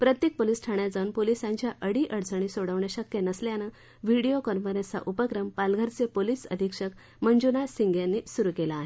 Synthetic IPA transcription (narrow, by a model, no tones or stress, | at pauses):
pɾət̪jek̚poliːsʈʰaɳjad͡zaunpolisãɲt͡ɕjaʔəɽiːʔəɽt͡səɳ̃iːsoɽəʋɳjaɕəkjenəsljanə | ʋiɽijokɔɾməɾẽt͡sa̰ʔupəkɾəmpalɡʱəɾt͡sepoliːsə̰d̪ʱikʂək | məɲd͡ʑunasiŋɡʱjãnːiːsuɾukelaːɦe